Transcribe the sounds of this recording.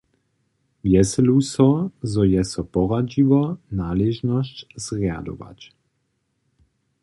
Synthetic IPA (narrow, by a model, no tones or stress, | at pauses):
vjɛsɛlusɔzɔjɛsɔpɔʁad͡ʒivɔnaːlɛʒnɔscz̥ʁja̰d̪ɔ̰ʋa̰c